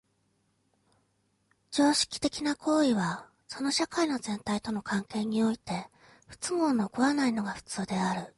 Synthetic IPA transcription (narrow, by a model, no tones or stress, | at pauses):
d͡ʑo̞ːɕi̥kʲi̥t̪e̞kʲinakʰo̞ːiβ̞a | so̞no̞ɕakaino̞zẽ̞nt̪ait̪o̞no̞kʰãŋke̞ːɲ̟io̞it̪e̞ | ɸɯ̟̥t͡sɨŋo̞ːnokɯ̟βanaino̞ɡaɸɯ̥t͡sɨːd̪e̞aɾɯ̟